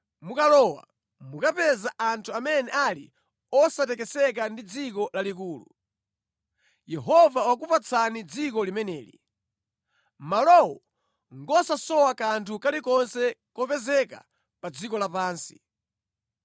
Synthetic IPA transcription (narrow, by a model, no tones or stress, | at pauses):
mukalɔwa̰ | mukapɛzaʔantʰuamɛnɛʔalḭ | ɔsatɛkɛsɛk̬andid͡zikɔlalikuːlṵ | jɛɦɔvawakupat͡sʰanid͡zikɔlimɛnɛːlḭ | malɔwɔ | ŋɡɔsasɔwakantʰukalikɔnsɛkɔpɛzɛka̰ | pad͡zikɔlapaːnsi̥